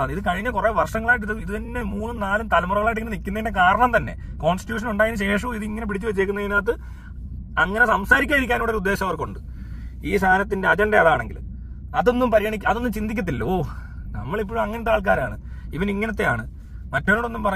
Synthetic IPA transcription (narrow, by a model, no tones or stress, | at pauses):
niðɨkɐɻiɲːɐkureːʋɐrʂɐŋːɐɭaːjiʈ̬ːiðɨiðɨt̪ɐnːe̞muːnːɨnaːlumt̪ɐlɐmurɐːɐɭaːjiʈ̬ːiŋːɐnɨnikʲːunːɐðnːekaːɾɐɳɐmt̪ɐnːe̞̰ | ko̞ːnsti̥tjuːʂ̬ɐnuɳɖaːjinɕe̞ːʂ̬uiðɨiŋːɐnep̬iɽit͡ɕːuʋet͡ɕːeːkːunːɐðinat̪ːɨ | ɐŋːɐnesɐmsaːɾikʲːaːiɾikʲːaːnoːɽoɾud̪ːeːɕɐmɐʋɐrko̞ɳɖɨ | iːsaːlɐt̪ːinde̞ɐd͡ʑɐndɐɐðaːɳe̞ŋɡil | ɐðo̞nːumpɐɾijɐɳik̬ʲːɐðo̞nːumt͡ɕind̪ikʲːɐt̪̬ːilːoː | nɐ̰mːɐɭip̬ːoːɻmɐŋːɐnet̪aːɭk̬aːɾaːɳɨ | iʋɐniŋːɐnɐt̪ːea̰ːɳɨ | mɐtːɐnːoːɽo̞nːumpɐrɐ